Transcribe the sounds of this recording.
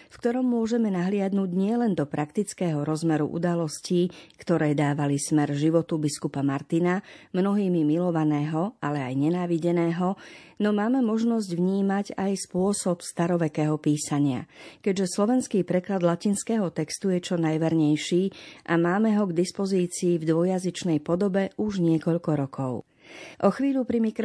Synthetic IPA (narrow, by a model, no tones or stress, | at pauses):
fkt̪ɔɾɔmːʊɔʒɛmɛnaɦlɪad̪nuːɟɲɪɛlɛnd̪ɔpɾʔakt̪it͡skɛːɦɔɾɔzmɛɾṵʔṵd̪alɔsciːkt̪ɔɾɛːd̪aːʋalismɛɾʒiʋɔt̪ubiskupamaɾt̪inamnɔɦiːmimilɔʋanɛːɦɔʔalɛajɲɛnaːʋiɟɛnɛːɦɔnɔmaːmɛmɔʒnɔzɟʋɲiːmaɟajspʊɔsɔpst̪aɾɔʋɛkɛːɦɔpiːsaɲɪa̰kɛɟʒɛslɔʋɛnskiːpɾɛklad̪lacinskɛːɦɔt̪ɛkst̪ujɛt͡ʃɔnajʋɛɾɲɛjʃiːʔamaːmɛɦɔɡd̪ispɔziːt͡siːvd̪ʋɔjazit͡ʃnɛjpɔd̪ɔbɛʔuʒɲɪɛkɔʎkɔɾɔkʰɔʊ | ʔɔxʋiːʎupɾimikɾ